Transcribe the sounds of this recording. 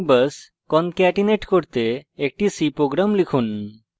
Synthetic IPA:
bəs | kɔnkɛʈineʈkoɾt̪eek̚ʈisipɾoɡɾamlikʰun

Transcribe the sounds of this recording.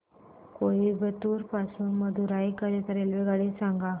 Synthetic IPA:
koibət̪uːɾpasuːnməd̪ʱuɾaikəɾet̪əɾelʋeɡaɽisãŋɡa

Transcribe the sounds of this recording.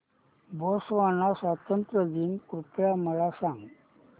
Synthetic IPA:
boːsʋaːnasat̪ɐnt̪ɾɐd̪inkɾupɭamɐlasaŋ

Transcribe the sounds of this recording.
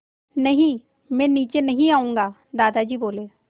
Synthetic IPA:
nɐɦĩ | mɛ̃ːniːt͡ʃenɐɦĩaːũːŋɡaː | d̪aːd̪ad͡ʒiːboːleː

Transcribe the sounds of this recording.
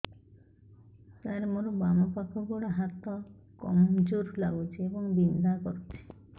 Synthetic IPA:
t̪aɾemoɾobamɔpakʰɔɡɔɽaɦat̪ɔ | kɔ̰md͡ʒoɾlaɡut͡ʃʰiebɔŋbind̪ʱakɔɾut͡ʃʰi̥

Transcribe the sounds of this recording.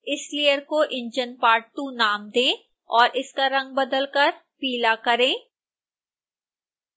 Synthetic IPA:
ɪslijəɾkoʔɪ̃ɲd͡ʒənpaːɾʈʈunaːmd̪ẽː | ɔːɾʔɪskaɾɐ̃ŋɡ̚bɐd̪əlkɐɾ | piːlakɐɾẽː

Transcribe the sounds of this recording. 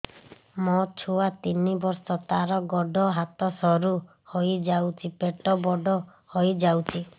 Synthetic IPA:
mɔt͡ʃʰuwat̪inibɔɾsɔt̪aɾɔɡɔɖʱɔɦat̪ɔsɔɾu | hojd͡ʒawt͡ʃʰipeʈɔbɔɖɔ | hojd͡ʒawt͡ʃʰi

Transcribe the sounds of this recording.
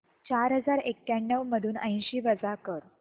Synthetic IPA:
t͡ɕaɾɦəd͡zaɾekːaɳːəʋməd̪ʱuːnə̰j̃ɕiːʋəd͡zakəɾ

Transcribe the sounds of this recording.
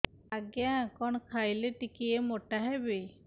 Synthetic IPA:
aɡjakɔɳ̃kʰajleʈikiemoʈaɦebe

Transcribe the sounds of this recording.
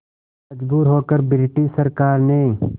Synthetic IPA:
mɐd͡ʒbuːɾɦoːkəɾbɪɾɪʈisəɾkaːɾnɐĩː

